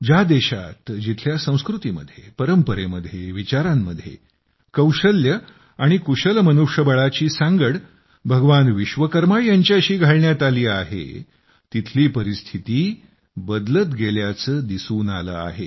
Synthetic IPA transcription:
d͡ʑad̪eɕa̰t̪d͡ʑit̪ʰljasə̃w̃skɾut̪imə̰d̪ʱjepəɾəmpəɾeməd̪ʱːjeʋit͡ɕaɾamːəd̪ʱjḛ | kəwɕəljə | aɽ̃ikuɕəlmənuʂjəbəɭat͡ɕiːsãŋɡəɽ | bʱəɡʋanʋiɕʋəkəɾmajjaɲt͡ɕaəɕiːɡʱaɭɳjat̪aliːa̰ɦḛ | t̪it̪ʰliːpəɾist̪ʰit̪iː | bəd̪lət̪ɡeljat͡səːd̪isuːnalə̰ːa̰ɦe

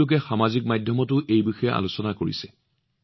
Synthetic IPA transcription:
ʊk̬ɛxamazik̚majdʱjɔmɔtʊʔejbixɔjɛa̰lusɔnakoɹḭsɛ

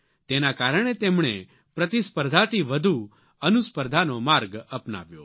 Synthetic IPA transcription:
t̪enakaɾəɳ̃et̪emɳe | pɾət̪ispəɾd̪ʱat̪iʋəd̪ʱu | ənuspəɾd̪ʱanomaɾɡəpna̰ʋjo̰

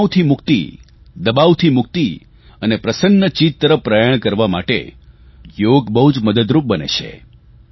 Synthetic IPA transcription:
t̪ʰimʊkt̪ḭ | d̪əbaʋt̪ʰimʊk̚t̪i | ənepɾəsənːət͡ʃit̪ːəɾəfːɾajəɳ̃kəɾʋama̰ʈḛ | joɡbəɦud͡ʒməd̪əd̪ɾup̚bənḛʃʰḛ

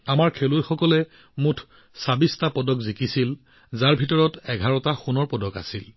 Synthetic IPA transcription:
amaɹkʰelujxɔkɔlɛ | mutʰ | sabistapɔdɔkzikisil | zaɹbʱitɔɹɔtɛɡʱaɹɔtaxunɔɹpɔdɔka̰sil

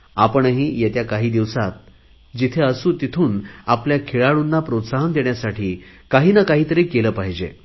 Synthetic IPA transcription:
apəɳɦiːjet̪jakaɦiːd̪iʋsat̪̚ | d͡ʑit̪ʰeəsuːt̪it̪ʰuːnapljakʰeɭaɭunːapɾot̪saɦənd̪eɳjasaʈʰiːkaɦiːnəkaɦiːt̪əɾiːkeləːpaɦid͡ʑḛ

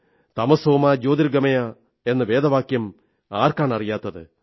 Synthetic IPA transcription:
t̪ɐmɐso̞ːmaːd͡ʑo̞ːd̪iɾɡɐmɐjɐ | e̞nːɨʋe̞ːd̪ɐʋaːkjɐm | aːrkaːɳɐrijaːt̪ːɐðɨ

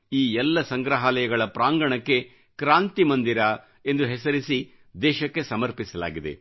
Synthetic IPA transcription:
iːɛlːɐsɐŋɡɾɐɦaːlɐjɐɡɐɭɐpɾaːŋɡɐɳɐkːe̞ | kɾaːnt̪imɐnd̪iɾa | e̞nd̪uɦɛsɐɾisi | d̪ɛːʃɐkːe̞sɐmɐɾpisɐla̰ːɡid̪ḛ

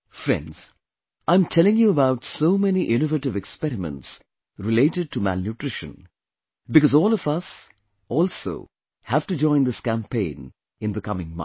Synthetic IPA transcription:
fɾɛ̰̃ndz̥ | ãɪ̃mtʰɛlɪ̃ŋjuəbaʊtsoʊmɛniʔɪnovəʈɨvɛkspɛɾɪmə̰̃nts | ɾɪleɪʈɨɖ̚ʈʰumæ̰lnjuʈɾ̥ɪʃə̰̃n | bɨkʌzɔːlɔvʌs | ɔːlso̰ʊ | hæv̥ʈɨd͡ʒɔ̃ɪ̃nd̪ɪskæ̃mpʰẽɪ̃n | ɨ̃nd̪əkʌmɪ̃ŋmʌ̰̃

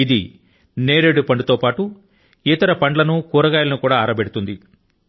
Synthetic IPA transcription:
id̪i | neːɾeɽupɐɳɖut̪o̞ːpaːʈu | it̪ɐɾɐpɐɳɖlɐnukuːɾɐɡaːjlɐnukuːɽaːɾɐbeɽut̪und̪i

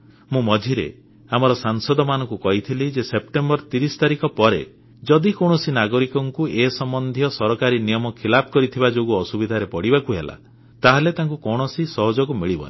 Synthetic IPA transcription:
mũmɔd̪ʱiɾḛ | amɔɾɔsaŋsɔd̪ʱɔmanɔ̃ŋkukɔɦit̪ʰilid͡ʒesep̚ʈembɔɾt̪iɾisɔ̥t̪aɾikɔpɔɾe | d͡ʒɔd̪ikɔwɽ̃ɔsinaɡɔɾikɔŋkuʔeɦsɔmbɔnd̪ʱijɔsɔɾɔkaɾinijɔmɔkʰilapʰɔkɔɾit̪ʰibad͡ʒoɡuɔsubid̪ʱaɾepɔɽibakuɦela̰ | t̪aɦelet̪aŋkukɔwɽ̃ɔsisɔɦɔd͡ʒɔɡumiɭibɔ̰ne

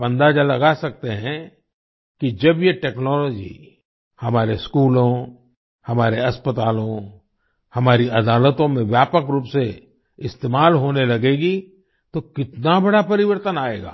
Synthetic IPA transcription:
bə̃nd̪ad͡ʒalɐɡasɐk̚t̪eɦɛ̃ | kid͡ʒɐbjeʈeːknɔːlɔːd͡ʒḭ | hɐmaːɾeskuːlõ | hɐmaːɾeɐspət̪aːlõ | hɐmaːɾiʔɐd̪aːlət̪õmẽʋjaːpəkɾuːpse | ɪst̪eːmaːlɦoːnelɐɡeːɡi | t̪okɪt̪nabɐɽapɐɾɪʋəɾt̪ənaːeːɡa̰ː

